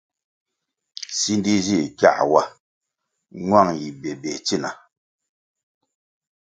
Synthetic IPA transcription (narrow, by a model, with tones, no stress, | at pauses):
si˦ndi˦zi˦˨kja̰˦˨ʔwa˦ | ŋwa˦˨ŋji˨bɛ˨bɛ˨t͡si˦˨na˨